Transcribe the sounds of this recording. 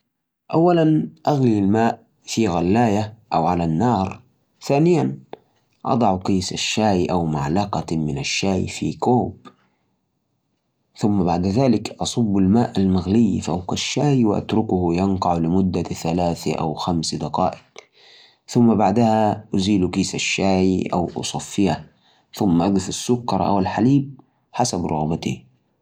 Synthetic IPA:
ʔawːalanʔaɣlialmaːʔ | fiɣalːaːjaʔawʕalanːɑːɾˤ | θaːnɪjan | ʔɑ̰d̪ˤɑʕqijːsaʃːaːjʔawmaʕlɑqɑmɪnaʃːaːjfḭkoːb | θʊmːabaʕd̪ðaːlɪkʔɑsˤɑbːalmaːʔalmaɣlɪjːfawqaʃːaːjwɪʔa̰t̪ɾʊkʊhjɑnqɑʕlɪmʊd̪ːaθalaːθaʔa̰wxamsd̪ɑqɑ̰ːʔɪq | θʊmːabaʕd̪ahaʔziːlukiːsaʃːaːjʔa̰wʔʊ̰sˤɑfːɪja | θʊmːaʔad̪ɪfasːʊkːɑɾˤʔa̰wɪlħaliːb̚ | ħasabɾʔʊ̰ɣbat̪ḭ

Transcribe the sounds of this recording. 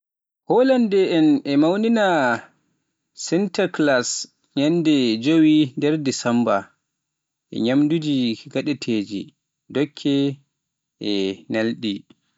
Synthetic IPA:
hɔlandɛʔɛnʔɛmawnina | sɛntaklas | ɲandɛd͡ʒowindɛɾdisamba | ʔɛ̰ɲamdud͡ʒiɡaɗɛtʰeːd͡ʒḭ | dɔkʰːɛ | ʔɛnalɗi

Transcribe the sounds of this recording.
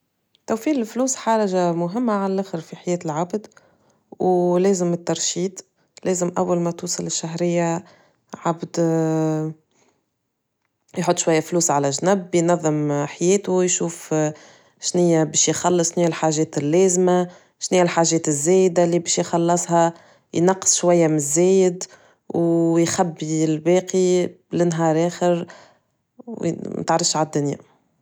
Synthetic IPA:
t̪æwfiːlɪlfluːsħɑɾˤɑʒamʊɦɪmːaʕalælʔæːxɪɾfiħajɛːt̪ɪlʕabd̪ | wlɛːzɪmɪt̪ːɑɾˤʃiːd̪ | lɛːzɪmʔæwːalmɛt̪uːsˤɑlɪʃːaɦɾɪjːa | ʕabd̪ | jħʊt̪ˤːʃwajːafluːsʕalæʒnʊbːjnɑðˤːɪmħajɛːt̪ʊjʃuːf | ʃnɪjːæbɛːʃjxɑlːɨsˤʃnɪjːalħaʒɛːt̪ɪlːɛːzma | ʃnɪjːalħaːʒɛːt̪ɪzːɛːjd̪alibɛːʃjxɑlːɑsˤhɑ | jnɑqːə̥sˤʃwæjːamzːɛːjɪd̪ | wjxæbːilbɛːqiblɪnɦɑːɾˤʔɛːxɪɾ | w̰t̪əʕɾˤɑfʃʕad̪ːʊnja̰

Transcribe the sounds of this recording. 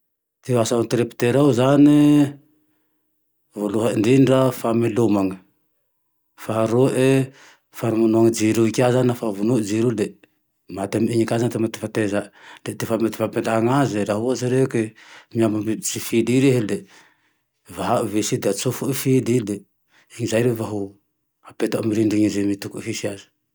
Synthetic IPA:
t̪easant̪ɾepi̥t̪eɾawzani | voluɦaiɳɖ͡ʐinirafamilumaŋə | faɦaɾuʔe | faɾimanuaŋid͡ʒiɾuikʲazaniafavunuʔd͡ʒiɾule | mat̪amiɲikazant̪emat̪i̥fat̪ezaʔlet̪efamet̪ifapend̪aɦaŋazeɾaɦuazaɾekemiambamizifidiɾeɦele | vaɦaʔuvesid̪eat͡sofuʔifid̪ile | iŋizajɾevaɦu | apet̪aʔamiɾiɳɖ͡ʐiŋizemit̪ukuʔfisiazi̥

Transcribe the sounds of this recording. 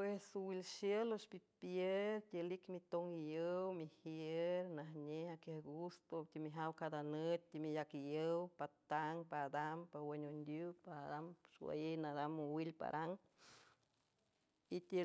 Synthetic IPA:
pwesuwilʃjəlospipjeɾt̪elikmit̪oŋijəwmihjeeɾnaɦɲehakehɡust̪ot̪ʲimiɦawkad̪anət̪̚t̪ːimijakijəwpat̪aŋpad̪ampaweɲʲund̪jupad̪amswa̰jejnad̪amuwilpa̰ɾʔaŋ | it̪ʲe

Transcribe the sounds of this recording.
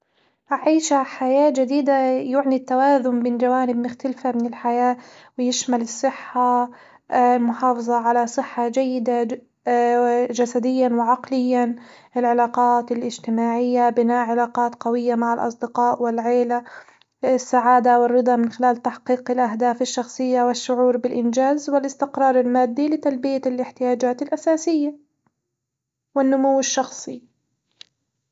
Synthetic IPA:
ʔaʕiːʃaħajaːd͡ʒad̪iːd̪ajʊʕnit̪ːawaːzʊmbɪːnd͡ʒawaːnɪb̚mʊxt̪alfamɪnɪlħajaː | wɪjɪʃmalɪsˤːɨħːa | lmʊħɑːfɑðˤɑʕalasˤɨħːad͡ʒajːɪd̪a | d͡ʒasad̪ɪjːanwɪʕɑqlɪjːan | ɪlʕalɑːqɑːt̪ɪlʔɪd͡ʒt̪ɪmaːʕɪjːabɪnaːʔʕɪlaːqɑːt̪qɑwɪjːamaʕalʔɑ̰sˤd̪ɪqɑːʔwɪlʕeːla | ɪsːaʕaːd̪awɪrˤːɨd̪ˤɑmɪnxɪlaːlt̪aħqiːqɪlʔaɦd̪aːfɪʃːɑxsˤɨjːawɪʃːʊʕuːɾbɪlʔɪnd͡ʒaːzwɪlʔɪst̪ɪqɾˤɑːɾˤɪlmaːd̪ːilɪt̪albɪjalʔɪħt̪ɪjaːd͡ʒaːt̪ɪlʔasaːsɪjːa | wɪnːʊmuwːɪʃːɑxsˤi

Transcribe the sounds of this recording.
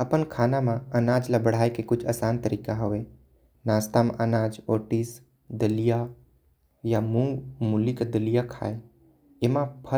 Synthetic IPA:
əpənkʰaːnamãənaːd͡ʒlabəɽ̤aːekekʊt͡ʃʰəsaːnt̪əɾiːkaɦoʋe | naːst̪amãʔənaːd͡ʒoːʈis | d̪əlija | jamũŋɡmulikad̪əlijakʰa̰ːe | emãpʰə

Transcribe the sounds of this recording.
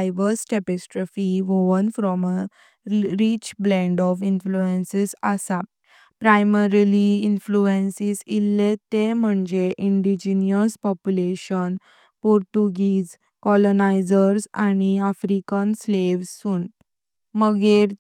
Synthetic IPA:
jʋəsʈepesʈɾɔfiʋoʋənfɾɔmə | ɾit͡ɕblɛ̃ɳɖɔfinfluensesəsa | pɾajməɾliinfluensiːsilːet̪em̤əɳd͡ʑeʔiɳɖid͡ʑiniəspɔpjuleɕən | pɔɾʈuɡiːs | kɔlonajd͡ʑəɾsaɽ̃iafɾikənsleʋsuːn | məɡeɾ

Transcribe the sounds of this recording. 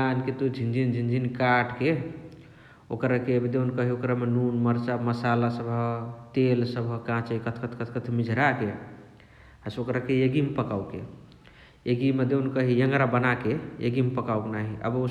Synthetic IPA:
anket̪ud͡ʒʱind͡ʒʱind͡ʒʱind͡ʒʱinkaʈke | o̰kɾakebd̪eunkəɦiokɾamenunməɾt͡ʃaməsalasəbʱət̪elsəbʱəkãt͡ʃəikət̪ʰkət̪ʰkət̪ʰkət̪ʰmid͡ʒʱɾake | əsokɾakejeɡimpəkawkḛ | eɡimed̪eunkəɦijəŋɡɾabənakeḛɡimpəkawknaɦiʔə̰bo

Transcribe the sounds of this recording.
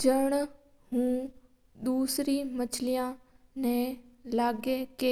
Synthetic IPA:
d͡ʒəɽ̃ | ɦũː | ɗ̪uːsɾimɐt͡ʃʰlijãnɛ̃laːɡekeː

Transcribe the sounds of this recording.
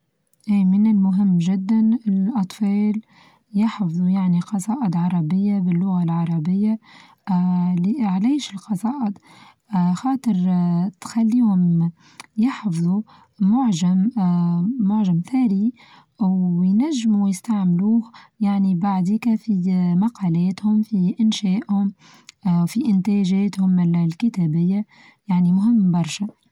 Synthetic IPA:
ʔiːmɪnɪlmʊɦɪmːʒɪd̪ːanɪlʔɑt̪ˤfɑːl | jɑħfðˤujaʕniqɑsˤɑːʔɪd̪ʕɑɾˤɑbɪjːabɪlːʊɣalʕɑɾˤɑbɪjːa | liʕlaːʃɪlqɑsˤɑːʔɪd̪ | xɑːt̪ˤɨɾt̪xalːiwɪma | jɪħfðˤu | mʊʕʒamː | ʊʕʒamθæːɾi | wjnæʒːmujɪst̪aʕmluːhjaʕnibaʕd̪iːkæfimɑqɑːlɛːt̪hʊmfiʔɪnʃɛːʔhʊm | wfiʔɪnt̪æːʒɛːt̪hʊmɪllkɪt̪æːbɪjːa | jaʕnimʊɦɪmːbɑɾˤʃæ

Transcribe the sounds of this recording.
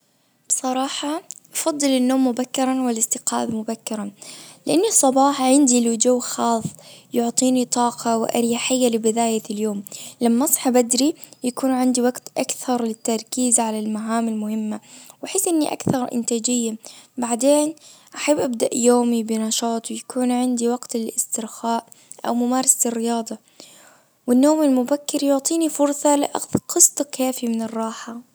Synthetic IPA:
b̥sˤɑɾˤɑːħɑʔɑfɑd̪ˤːɨlɪnːoːmːʊbakːɪɾˤɑnwɪlɪst̪ɪqa̰ːbmʊbakːɪɾˤɑnlɪʔanːisˤːɑbɑːħɑʕɪnd̪ilud͡ʒuwːxɑːsˤːjʊʕt̪ˤiːnit̪ˤɑːqʰɑwɪʔa̰ɾjaħɪjːalɪbɪd̪aːjaljoːmlamːaʔɑsˤħɑbad̪ɾijakuːnʕɪnd̪iwaɡt̪ʔakθɑɾˤlɪt̪ːɑɾˤkiːzʕalalmaʕaːmɪlmʊhɪmːawaħɪsːʔɪnːiʔa̰kθɑɾˤʔɪ̰nt̪aːd͡ʒɪjːabaʕd̪eːnʔaħabːʔab̚d̪aʔjoːmibɪnɑʃɑːt̪ˤwɪjakuːnʕɪnd̪iwaɡt̪ɪlɪst̪ɪɾxaːʔ | ʔa̰wmʊmaːɾˤɑslɪrːɪjɑːd̪ˤɑ | wɪnːoːmɪlmʊbakːɪɾjʊʕt̪ˤiːnifʊɾsˤɑlɪʔa̰qɨsˤt̪ˤkʰːaːfimɪnɪrˤːɑːħa

